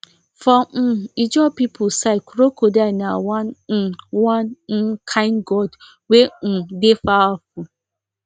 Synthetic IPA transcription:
fɔid͡ʒɔpipʰʊsaɪkɾokodanawan̩wan̩kʰaɪnɡɔd | wedefaɔfʊ

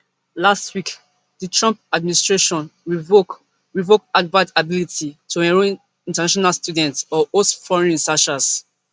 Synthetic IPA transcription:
lastwik | dətɹɔ̃mp̚administɹeʃɔ̃n | ɹivok̚adbatabilitʰitʰuɛ̃ɹõ | ĩntɛnaʃɔnalstudɛ̃ntsɔotfɔɹɛ̃nsaʃas

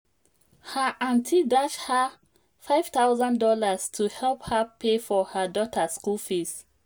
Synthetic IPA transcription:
həʔãntʰidat͡ʃha | faɪv̥t̪awzãndɔlastʰuhɛlphəpʰefɔhədɔtʰəskulfis

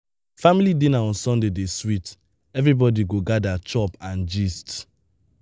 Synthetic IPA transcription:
familidĩnaɔ̃nsɔ̃ndedeswit | ɛvɾibɔdiɡoɡadat͡ʃɔpãnd͡ʒist

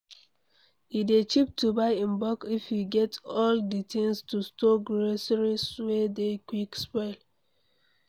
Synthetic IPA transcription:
idet͡ʃip̚tubaɪãnbɔkifjiɡɛtɔlditʰĩŋstustɔɡɹosɹiswedekwikspɔɪl

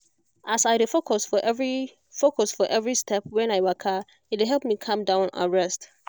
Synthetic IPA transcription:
asaɪdɪfokʰɔsfɔʔɛvɹi | fokʰɔsfɔʔɛvɹistʰɛpwɛ̃naɪwakʰa | ɪt̚wɪɦɛlˠp̚mĩkʰʌ̃mdãʊ̃na̰ɹɛst

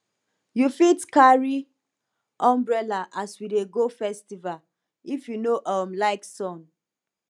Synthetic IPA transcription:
jufitkaɹi | ɔ̃mbɹɛlaʔaswideɡofɛstival | ifjunoʔamlaɪksɔ̃n

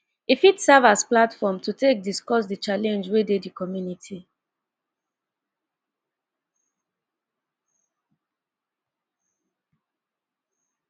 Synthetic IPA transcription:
ifitsɛvasplatfɔmtʰutʰek̚diskɔsdət͡ʃalɛ̃nd͡ʒwededikɔmjunitʰi

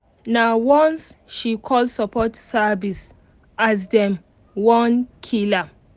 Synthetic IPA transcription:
nawɔ̃nsʃikʰɔlsɔpɔtsavis | as̬dɛ̃m | wɔ̃nkʰila

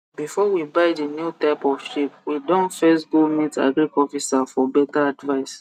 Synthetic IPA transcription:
bifɔwibaɪdenjutaɪpɔvʃipwidɔ̃nfesɡulmĩta̰ɡikɔfisafɔbɛtaadvaɪs

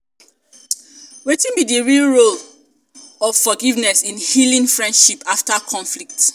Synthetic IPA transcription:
wetĩnbidiɹilɹol | ɔfɔɡivnɛsĩnhilĩnfɹɛ̃nd̥ʃipaftakʰɔ̃nflik̚t

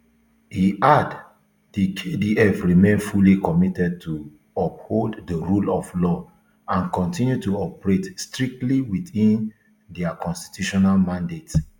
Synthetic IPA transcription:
hiʔad | dikʰediɛfɹimẽnfulikɔmitɛd̚tʰu | ɔp̚holddəɹulɔflɔ | ãnkɔ̃ntĩnjutuɔpɹetstɹik̚tliwiθĩn | dɛakɔ̃nsti̥tjuʃɔnalmãndet

